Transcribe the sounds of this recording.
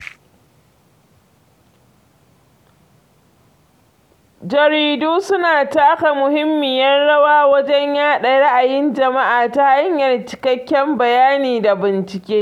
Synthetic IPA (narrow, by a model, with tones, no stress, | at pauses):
d͡ʒɐ˨ɾiː˨duː˦sʊ˦naː˨taː˦ka˨mʊ˨hɪ˦mːɪ˨jɐ˦nɽɐ˦waː˦wɐ˦d͡ʒɛ˦ɲjaː˦ɗɐ˨ɽa˦ʔa˨jɪ˦nd͡ʒɐ˨ma˦ʔaː˨ta˦ha˦ɲjɐ˨rt͡ʃɪ̥˨kɐ˦kʲːɛ˦mbɐ˨jaː˦niː˨da˨bɪ˨nt͡ʃɪ˨kʲeː˦